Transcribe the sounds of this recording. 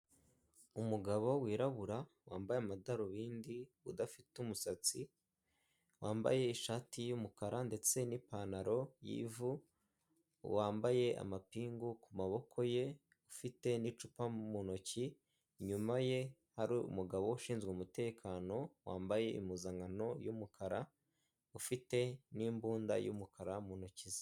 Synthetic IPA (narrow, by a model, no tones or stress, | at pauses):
umuɡaβo̞wiːɾaβuɾa | waːmbajeamadaɾoβiːndiβudafitumusat͡si | waːmba̰je̞iʃaːtijumukaɾande̞t͡se̞nipanaɾo̞jḭːvu | waːmbaje̞ʔa̰mapiːŋɡukumaβo̞kʰo̞je̞ | ufite̞nit͡ʃupamunoci | ɲumaje̞ | haɾiṵmuɡaβo̞uʃiːnzɡweumute̞ːkʰaːno̞wa̰ːmbaje̞ḭmuzaŋɡano̞jumukʰaɾa | ufite̞niːmbuːnda̰jṵmukʰaɾamunocizḁ